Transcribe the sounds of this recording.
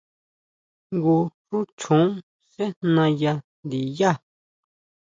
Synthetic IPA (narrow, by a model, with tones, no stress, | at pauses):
ŋɡu˧ʂu˦t͡ʃʰũ˨˦ | se˦nnã˧ja˧nd̪i˨ja˦˨